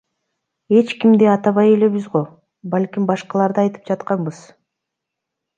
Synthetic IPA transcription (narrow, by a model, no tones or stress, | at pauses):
e̞t͡ʃkimd̪eɑt̪ɑβɑje̞le̞βizʁo̞ | balʲkʲimbɑʃqɑlˠɑɾd̪ɯɑjt̪ɯ̥p̚d͡ʒɑt̪qɑmbɯz̥